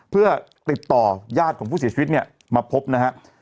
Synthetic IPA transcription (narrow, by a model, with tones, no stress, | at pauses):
pʰɯ˥˩ɐ | t̪i˨˩t̪ːɔː˨˩jaː˥˩t̪̚kʰɔː˩˦pʰu˥˩si˩˦t͡ɕi˧˦t̪̚ni˥˩ə | maː˧pʰo˦˥p̚na˦˥kʰa˦˥ʔ